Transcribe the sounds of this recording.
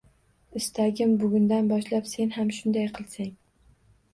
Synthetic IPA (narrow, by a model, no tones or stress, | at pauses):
ɪst̪ʰaɡʲɪmbʊɡʲʊnd̪anbɒʃlapse̞nhamʃʊnd̪ajqʰɨlˠsaŋ